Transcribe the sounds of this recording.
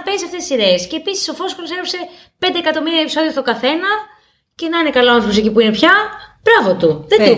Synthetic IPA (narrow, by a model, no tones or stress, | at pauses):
ɐpensɐft̪et̪isiɾe̞esce̞ːpisiso̞fo̞sxoloseɾose̞ | pe̞nd̪eːkɐt̪o̞miɾiɐepiso̞ðiot̪oɡɐθe̞nɐ | ce̞nɐinekɐlɐonfos̬icipuinepçɐb̥ɾɐvo̞t̪uðe